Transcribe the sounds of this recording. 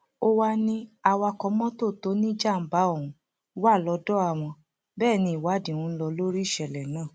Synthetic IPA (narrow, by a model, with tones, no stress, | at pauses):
o˦wa˧nĩ˧a˧wa˧kɔ˧mɔ̃˦to˦˨to˨˦nĩ˦d͡ʒa˦˨m̩˦ba˨˦o˦˨ũ˧˦ | wa˦˨lɔ˧dɔ˦a˦˨w̃ɔ̃˧ | bɛː˦˨nĩ˧˨i˨wa˨˦dĩ˦˨ũ˧˦n̩˦lɔ˧lo˦ɾi˦˨ʃɛ˧˨lɛ˨nãː˦˨